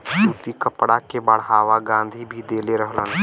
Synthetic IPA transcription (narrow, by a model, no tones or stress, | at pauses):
suːt̪ikəpɽakʰeːbəɽ̤ɦaːʋaɡãːnd̪ʱibʱid̪eːleɾəɦələnɪ̆